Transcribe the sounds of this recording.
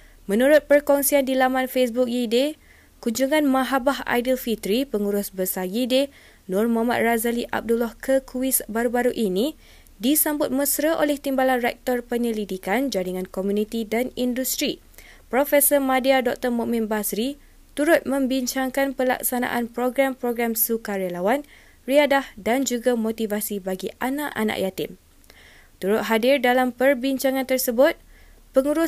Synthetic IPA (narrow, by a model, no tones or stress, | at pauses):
mə̃nuɾʊt̪̚pərkɔŋsiandilamãnfesbuk̚jide | kuɲd͡ʒuŋãnmãɦabaɦa̰jdilfit̪ɾipəŋuɾʊsbəsajide | nʊ̃rmama̰t̪̚razaliʔa̰p̚dulɔhkʰəkʰuwisbaɾubaɾuʔini | disambʊt̪̚məsɾəʔolɛht̪imbalanrɛk̚t̪ɔrpəɲəlidikand͡ʒaɾiŋãnkomjũnit̪idanindust̪ɾi | pɾofɛsəmãdiadɔk̚t̪ərmũʔmɪ̃nbasɾi | t̪uɾʊt̪̚mə̃mbiɲt͡ʃaŋkanpəla̰k̚sana̰ʔanpɾoɡɾampɾoɡɾamsukaɾalawan | riadahdand͡ʒuɡamot̪ivasibaɡiʔanãʔa̰na̰ʔjat̪ɪm | t̪uɾʊt̪̚ɦadɪrdalampərbiɲt͡ʃaŋãnt̪ərsəbʊt̪̚ | pəŋuɾu